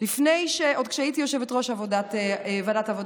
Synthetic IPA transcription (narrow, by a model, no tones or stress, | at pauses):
lifne̞jʃeʔo̞dkʃeajit̪ijo̞ʃe̞vetʁo̞ʃavo̞datevadatavod